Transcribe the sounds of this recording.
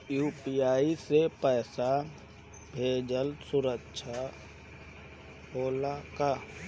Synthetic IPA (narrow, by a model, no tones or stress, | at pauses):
juːpijaːisepɛːsa | bʱeːd͡ʒəlsʊɾəkʃʰa | ɦoːlaka